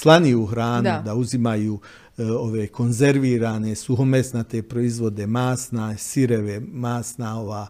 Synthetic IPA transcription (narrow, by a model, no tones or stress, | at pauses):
slˠaniuxɾaːnud̪auzimajuː | o̞ʋeko̞nze̞ɾʋiːɾaːne̞suɦomesnat̪epɾoizʋo̞d̪e̞maːsnasiɾeʋemaːsnao̞ʋaː